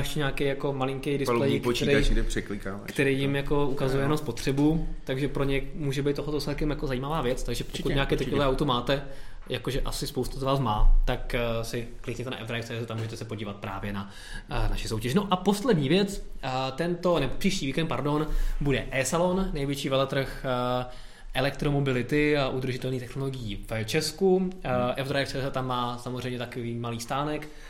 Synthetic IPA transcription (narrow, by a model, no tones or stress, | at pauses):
ɛʃcɛɲaːkɛjako̞malɪŋkɛjdɪsllɛjipkot̪ɛɾɛɡdɛpr̥ɛklɪkaːva̰kt̪ɛɾijjɪmjako̞ukazujɛjɛnomspo̞t̪r̝̥ɛbut̪aɡʒɛpɾoɲɛmuːʒɛbijt̪t̪ːoɦlɛt̪oslɛt̪kɛmjakozajiːmavaːvjɛt͡st̪aɡʒɛpokut̪ɲaːkɛjt̪ɛlovɛːʔawt̪umaːt̪ɛjakoʒɛʔasɪspowst̪azvaːs̬maːt̪aksɪklɪkɲɛt̪ɛna̰ʔɛvd̪ɾajft͡sɛzɛt̪amuːʒɛt̪ɛsɛpo̞ɟiːvat̪̚pɾa̰ːvjɛna | na̰ʃɪso̞wcɛʒɪnoʔapo̞slɛdɲiːvjɛt͡st̪ɛnt̪o̞nɛbopr̥iːʃciːviːkɛnt̪̚paɾdo̞nbudɛʔɛːsalo̞nnɛjvjɛt͡ʃiːvɛlɛt̪ɾr̩x | ʔɛlɛkt̪ɾomo̞bɪlɪt̪ɪaʔud̪r̩ʒɪt̪ɛlniːt̪ɛxnoloɡɪjivt͡ʃɛskuʔɛvd̪ɾajft͡sɛːzɛt̪amːaːsamozrɛjmɲɛt̪akoviːmaliːst̪aːnɛk